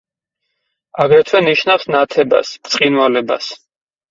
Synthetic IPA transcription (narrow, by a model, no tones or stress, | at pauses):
aɡɾɛt̪ʰwɛniʃnafsnat̪ʰɛba̰smt̪sʼqʼinwalɛba̰s